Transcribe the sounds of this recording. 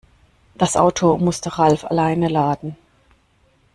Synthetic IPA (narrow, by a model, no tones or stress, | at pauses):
d̥asʔa̰ʊtʰomʊstəʁalfa̰laɪnəlaːdn̩